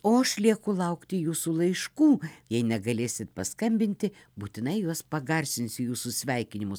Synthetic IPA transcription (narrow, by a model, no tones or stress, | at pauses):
oːɐʃlʲiɛkʊlˠɐʊkt̪ʲɪjuːsulˠɐɪʃkuːjɛɪnʲɛɡɐlʲeːsʲɪt̪̚pɐskɐmʲbʲɪnʲt̪ʲɪ | buːt̪ʲɪnɐɪjuɔspɐɡɐrʲsʲɪnʲsʲɪjuːsʊsʲʋʲɛɪkʲɪnʲɪmʊs